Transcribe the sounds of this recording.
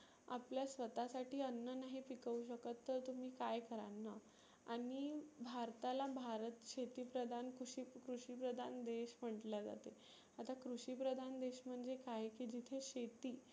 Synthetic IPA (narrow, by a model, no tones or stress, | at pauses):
a̰pljasʋət̪asaʈʰiːənːənaɦipikəuɕ̬əkət̪ːəɾt̪um̤iːkajkəɾa̰nːə | aɽ̃ibʱaɾt̪alabʱaɾət̪ɕet̪iːpɾəd̪ʱankuɕikɾuɕiːpɾəd̪ʱand̪eɕm̤əɳʈlad͡za̰t̪e | at̪akɾuɕiːpɾəd̪ʱand̪eɕm̤əɳd͡zekajekiːd͡ʑit̪ʰeɕet̪iː